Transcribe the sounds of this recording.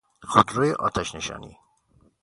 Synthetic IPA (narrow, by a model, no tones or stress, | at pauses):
xod̪ɾoːjeʔɒːt̪ʰæʃneʃɒ̰ːnḭː